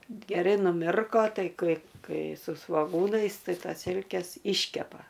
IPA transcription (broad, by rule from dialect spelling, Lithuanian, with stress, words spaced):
ɡʲɛˈrɐɪ nʊˈmʲɪrkoː ˈtɐɪ ˈkɐɪ ˈkɐɪ sʊ sʋoːˈɡuːnɐɪs ˈtɐɪ ˈtɐs ˈsʲɪlʲkʲɛs ˈɪʃʲkʲɛpɐ